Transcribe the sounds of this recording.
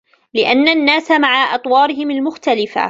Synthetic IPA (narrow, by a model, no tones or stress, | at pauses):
lɪʔanːanːaːsamaʕaʔɑt̪ˤwɑːɾɪhɪmalmʊxt̪alɪfa̰